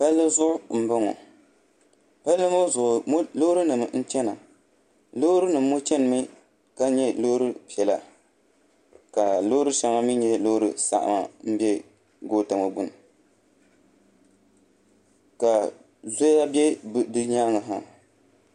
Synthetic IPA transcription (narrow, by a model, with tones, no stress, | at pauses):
pa˦lːɨ˦zʊ˦ʔʊ˦m̩˦ba˦ŋɔ̰˨ | pa˦lːɨ˦mo˦zʊ˨ʊ˨m˦lo˦hɾɨ˦nɨ˨m˨n̩˦t͡ʃɛ˦na˨ | lo˦ɾɨ˦nɨ˨mː˦o˦t͡ʃɛ˦nɨ˨mɨ˦ | ka˦ɲɛ˦lo˦ɾɨ˦pi˨ɛ˨la̰˨ | ka˨lo˦ɾɨ˦ʃa˦ma˦mi˦ɲɛ˦lo˦hɾɨ̰˦sa̰˨ʔa̰˨ma̰˨m̩˦bjɛ˦ | ɡoː˦ta˨mo˨bu˨n˨ | ka˨ | zo˦a˦bjɛ˦bdɨ˦ɲa˦ŋɨ˨ɦa˨